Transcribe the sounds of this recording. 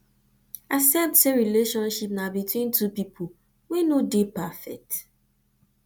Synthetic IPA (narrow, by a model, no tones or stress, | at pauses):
asɛptseɹileʃɔ̃nʃipnabitwĩntʰupipʰo | wenodepafɛk̚t